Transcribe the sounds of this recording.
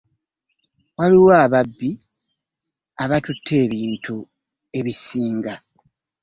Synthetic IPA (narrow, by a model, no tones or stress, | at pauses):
waliwaːβabːi | aβatutʰːe̞ːβiːntʰu | e̞βisiːŋɡa